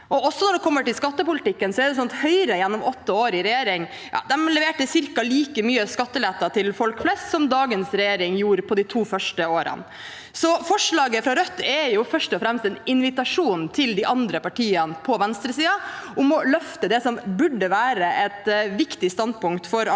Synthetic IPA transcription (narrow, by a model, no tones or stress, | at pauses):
ʔɔɔsːɔnɔɖɛkʰɔmːəʈɪlskɑt̪ːəpʊlɪt̪ɪkːənsɔɛɖɛs̬ɔnt̪hœʏɾəjɛnːɔmɔt̪ːəoːɾɪɾɛjeːɾɪŋ | jɑ̰ːd̪ɛmlɛʋeːʈəsɪɾkɑliːkəmyːəskɑt̪ːəlɛt̪ːɑt̪ʰɪlfɔlkflɛst̪sɔmd̪ɑːɡənsɾɛjeːɾɪŋjuːɾpʰɔd̪it̪ʰuːfœʂʈəoːɾə̰n | sɔfɔʂɭɑːɡəfɾɑɾœt̪ːɛjʊfœʂʈɔfɾɛmst̪ɛnɪnʋɪt̪ɑʂuːnt̪ʰɪld̪ɪʔɑnd̪ɾəpɑʈʰiːənpʰɔʋɛnst̪ɾəsiːɑʔʊmɔlœft̪əd̪ɛsɔmbʉɖːəʋæːɾəʔɛt̪ʋɪkt̪ɪst̪ɑnd̪pʊŋkt̪fɔɾ